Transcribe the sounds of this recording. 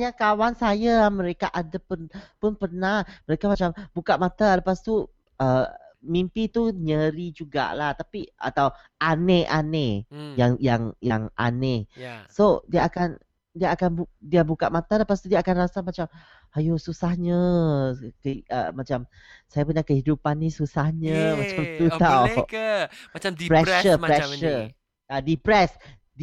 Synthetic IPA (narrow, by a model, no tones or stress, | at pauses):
ɲakawansajamə̃ɾekaʔadapəpʊnpərnahməɾekamat͡ʃambukaʔmat̪aləpast̪u | ʔəmimpit̪uɲəɾid͡ʒuɡa̰ʔlaht̪apia̰t̪aw | ʔaneʔanejaŋjaŋjaŋʔa̰nesodiaakan | diaakanbdiabukaʔ̚mat̪aləpast̪udiaːkanrasamat͡ʃam | ajosusahɲə | kəə̰mat͡ʃam | sajapəɲakəhidupanːisusahɲəmat͡ʃamt̪ut̪aw | mat͡ʃapɾɛʃəɾɛʃə | adipɾɛs | d